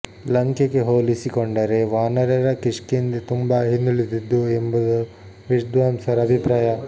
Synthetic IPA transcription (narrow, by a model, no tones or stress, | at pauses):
lɐŋkjɐkeɦoːlisikoɳɖɐɾeʋaːnɐɾɐɾɐkiʂkind̪et̪umbɐɦinːulid̪id̪ːuembud̪u | ʋiʂd̪ʋaːmsɐɾɐɐbʱipɾaːjɐ